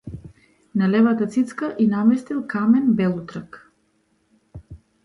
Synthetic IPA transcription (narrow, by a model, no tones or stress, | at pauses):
nalɛvat̪at̪sit̪skaʔinamɛst̪ilˠkamɛnbɛlˠut̪ɾak